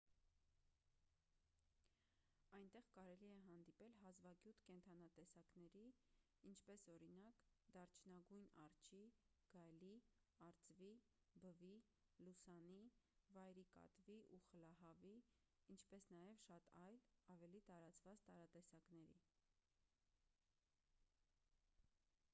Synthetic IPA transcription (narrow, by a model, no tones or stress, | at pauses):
ɑjnt̪ɛʁkɑɾɛliɛɦɑn̪d̪ipɛlɦɑzvɑɡjut̪ʰkɛnt̪ʰɑnɑt̪ɛsɑknɛɾi | int͡ʃʰpɛsɔɾinɑkd̪ɑrt͡ʃʰnɑɡujnɑ̰rt͡ʃʰiɡ̥ɑjli | ɑɾt͡svi | bəvi | lusɑnivɑjɾikɑ̰t̪viʔuχəlɑɦɑviː | nt͡ʃʰpɛsnɑjɛvʃɑt̪ɑjlɑvɛlit̪ɑɾɑt͡svɑt͡st̪ɑɾɑt̪ɛsɑknɛɾḭ